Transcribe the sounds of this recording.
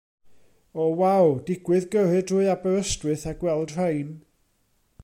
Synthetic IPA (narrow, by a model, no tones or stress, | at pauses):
ɔwawdɪɡwɨðɡərɨdʰrʊɨabɛɾəstwɨθaɡwɛlˠd̥r̥ejn